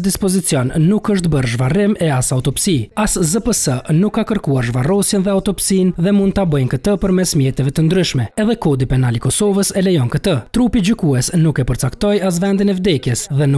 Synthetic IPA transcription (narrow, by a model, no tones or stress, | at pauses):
d̪ispɔzit͡sjɔnːukəʃ̬t̪bəɾʒvarɪmɛasaut̪ɔpsiaszəpəsənukːakəɾkuaɾʒvarɔsjɛnðɛaut̪ɔpsinðɛmund̪t̪abəjnkət̪əpəɾmɛsmjɛt̪ɛvɛt̪ənd̪ɾyʃmɛɛðɛkɔd̪ipɛnalikɔsɔvəsɛlɛjɔnkət̪ət̪ɾupid͡ʑykuɛsnukɛpəɾt͡sakt̪ɔjas̬vɛnd̪inɛvd̪ɛkjɛsðɛnu